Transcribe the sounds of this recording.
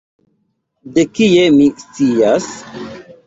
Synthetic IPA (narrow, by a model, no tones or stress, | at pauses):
dekiemist͡sias